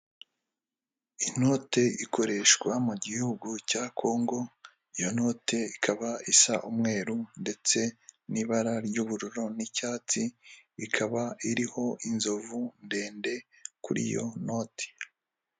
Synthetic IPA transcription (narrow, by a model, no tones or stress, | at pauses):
ino̞ːte̞ikʰo̞ɾe̞ʃɡwamuɟihuɡucaːkʰo̞ːŋɡo̞ | ijo̞no̞ːtʰe̞ikʰaβaisaʔumŋe̞ːɾunde̞t͡se̞niβaɾaɾɟuːβuɾuɾo̞nicaːt͡siikʰaβaiɾiho̞ʔinzovunde̞ːnde̞ | kuɾḭjo̞̰no̞ːtʰe̥